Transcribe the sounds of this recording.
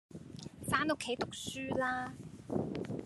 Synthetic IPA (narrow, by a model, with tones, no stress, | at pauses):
faː˥nʊ˥kʰːe˨˥jt̪ʊ˨k̚syː˥laː˥